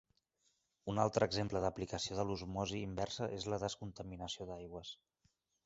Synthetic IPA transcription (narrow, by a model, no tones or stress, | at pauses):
unalˠt̪ɾəːɡzempləðəplikəsioðəluzmɔziːmbɛrsəʔezləðəskunt̪əminəsioðajɣwəs